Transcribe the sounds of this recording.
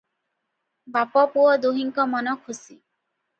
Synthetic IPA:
bapɔpuɔd̪uɦiŋkɔmɔnɔkʰusi

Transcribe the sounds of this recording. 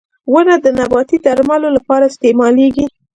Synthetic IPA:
wənad̪ənabɑt̪id̪aɾmalolapɑɾaɪst̪emɑleɡi

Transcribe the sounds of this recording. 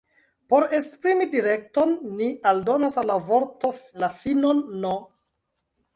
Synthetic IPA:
po̞ɾe̞spɾimidiɾe̞k̚tonːialdo̞nasalːavo̞ɾtolafinonːo

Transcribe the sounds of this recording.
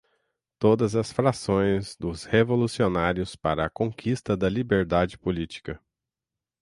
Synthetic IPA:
t̪od̪ɐzɐsfɾasõj̃zd̪ʊshevolusionaɾiʊspaɾɐːkõkʰist̪ɐd̪ɐlibeɾd̪ad͡ʒɪpolit͡ʃi̥kɐ

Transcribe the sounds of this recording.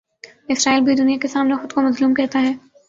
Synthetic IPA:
ɪsɾaːilbʱid̪ʊnijakesaːmnexʊd̪komɐzluːmkɛɦt̪aɦɛː

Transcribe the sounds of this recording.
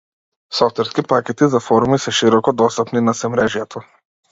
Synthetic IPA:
sɔft̪vɛɾskipakʲɛt̪izafɔɾumisɛʃiɾɔkɔd̪ɔst̪apninasɛmɾɛʒjɛt̪ʰɔ

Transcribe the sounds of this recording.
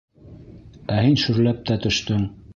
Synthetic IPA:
æhinʃɵ̆ɾlæp̚t̪æt̪ɵ̆ʃt̪ɵŋ

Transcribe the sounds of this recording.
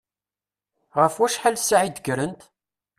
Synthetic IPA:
ʁəfwæʃħalsaʕid̪əɡɾənt̪

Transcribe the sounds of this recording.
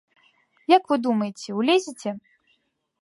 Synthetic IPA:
jakvɨd̪umɐjet͡sʲɛwlʲezʲit͡sʲɛ

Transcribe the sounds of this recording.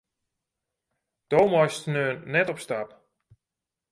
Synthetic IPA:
d̥owmɔjstnøːnnɛtɔpstap

